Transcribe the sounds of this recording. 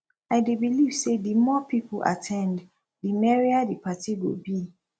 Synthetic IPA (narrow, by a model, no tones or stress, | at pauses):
aɪdebiliv̥sedimɔpipua̰tʰɛ̃nd | dimɛɹiadipatiɡo̰bi